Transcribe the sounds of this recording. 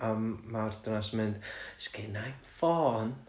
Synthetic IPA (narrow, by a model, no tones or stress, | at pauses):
amːard̥ənasəmɨnd̥skɪnajnfɔːn